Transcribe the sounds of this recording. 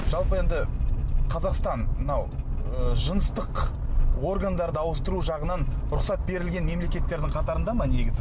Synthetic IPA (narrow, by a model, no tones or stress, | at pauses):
ʒ̥ɑlˠpəe̞nd̪ɪqʰɑzɑqst̪ɑnmənɑwəʒənəst̪əqwo̞rɡand̪ɑɾd̪əɑwəst̪əɾuʒɑʁənɑnɾʊqsɑt̪̚be̞ɾɪlɡʲe̞nme̞mle̞kʲe̞t̪ːe̞ɾd̪ɪŋqʰɑt̪ɑɾənd̪ɑmɑne̞ɡʲɪzɪ